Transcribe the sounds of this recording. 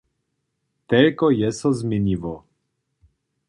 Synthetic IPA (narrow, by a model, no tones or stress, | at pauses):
t̪ɛlkɔjɛsɔzmʲjɛɲʲivɔ